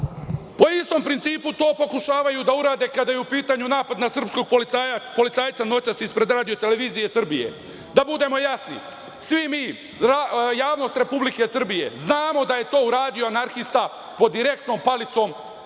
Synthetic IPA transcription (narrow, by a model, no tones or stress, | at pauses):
po̞ist̪o̞mpɾint̪siːput̪o̞ːpo̞kuʃaːʋajud̪auɾaːd̪e̞ːkad̪ajeupiːt̪aɲunaːpad̪nasr̩psko̞ɡ̚polpo̞lit̪saːjt̪sano̞t͡ɕasispɾe̞d̪ɾaːd̪ijo̞t̪e̞le̞ʋiːzije̞sr̩bije̞̰ | d̪abud̪emo̞jasnḭ | sʋimiː | ɾajaːʋno̞ːst̪ɾe̞publike̞sr̩bije̞̰znaːmo̞d̪aje̞t̪o̞ːuɾaːd̪ijo̞anaɾxist̪a | po̞d̪iɾe̞k̚t̪no̞mpalit̪so̞m